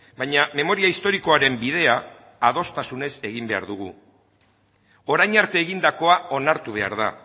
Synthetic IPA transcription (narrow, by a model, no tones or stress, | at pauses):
bajɲame̞mo̞ɾiaist̪o̞ɾiko̞aɾe̞mbið̞e̞aː | ð̞o̞st̪asune̞se̞ɣimbe̞a̰ɾðuɣu | o̞ɾajɲaɾt̪e̞ːɣind̪ako̞ao̞naɾt̪uβ̞e̞a̰ɾða̰